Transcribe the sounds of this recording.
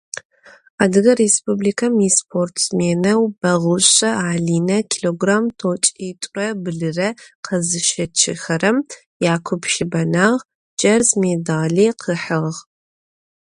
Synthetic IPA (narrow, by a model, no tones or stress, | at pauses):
aːdɨɣɐrespʼublikʰɐmispʰortʰsmeːnɐwb̥ɐʁʊɕʼɐaːɮiːnɐkʰiloɡraːmtʰot͡ʃʼiːtʷʼrɐbɨɮɨrɐqʰɐzɨʃɐt͡ʃʰɪ̰xɐɾɐm | jaːkʷʰʊpʃɪbɐnaːʁ | d͡ʒʼɐrzmedaːɮiːqʰəħɨʁʁ